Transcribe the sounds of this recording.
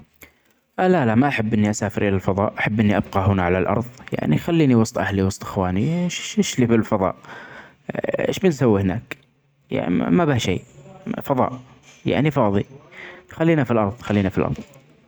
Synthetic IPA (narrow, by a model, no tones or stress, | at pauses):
ʔalalamaʔaħabːʔɪnːiʔasaːfɪɾʔɪlalfɑðˤɑ̰ːʔʔaħabːʔɪnːiʔab̚qɑɦʊnaʕalalʔɑ̰ɾˤðˤja̰ʕnixalːiːniwɑsˤt̪ˤʔahliwɑsˤt̪ˤʔɪ̥xwaːniʃɪʃlibɪlfɑðˤɑ̰ːʔ | ḛːʃbɪnsawːihɪnaːk | ja̰ʕ̰mabɪʃḛːfɑðˤɑ̰ːʔ | ja̰ʕnifɑːðˤixalːiːnafilʔɑɾˤðˤxalːiːnafilʔɑ̰ɾˤðˤ